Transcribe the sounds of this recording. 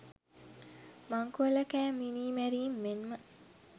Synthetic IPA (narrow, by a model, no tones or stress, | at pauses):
maŋkuəlɐkæːminiːmæɾiːmːenmə